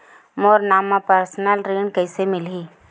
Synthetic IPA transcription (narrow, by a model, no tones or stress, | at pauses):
moːɾnaːmapəɾsnəlɾiːɳkəːɪsemɪlɦiː